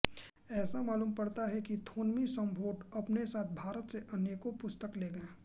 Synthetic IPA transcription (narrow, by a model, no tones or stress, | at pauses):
ɛːsamaːluːmpɐɽt̪aɦɛkit̪ʰoːnmisɐ̃mbʱoːʈɐpnesaːt̪̚ʰbʱaːɾət̪seʔɐneːkopʊst̪əkleːɡɐẽː